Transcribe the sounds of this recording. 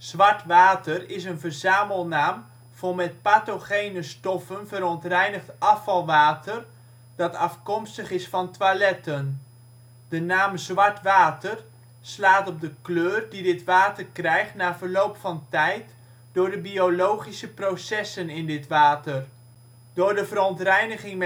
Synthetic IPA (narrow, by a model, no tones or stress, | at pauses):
z̥ʋɑɹtʋaːtərɪsənvəɹzaːməlˠnaːm | v̥ɔmɛt̚paːtoχejnəstɔfənvəɾɔntrɛjnəχtʔɑfɑlˠʋaːtər | d̥ɑtɑfkɔmstəχɪsfɑntʋalɛtən | d̥ənaːmzʋɑɹtʋaːtər | slaːtɔb̚dəkløːrdidɪtʋaːtərkrɛjχtnaːvəɹlowpfɑntɛjt | d̥ʊːɹdəbiolowχisəprowsɛsənɪndɪtʋaːtər | d̥ʊːɹdəvəɾɔntrɛjnəχɪŋm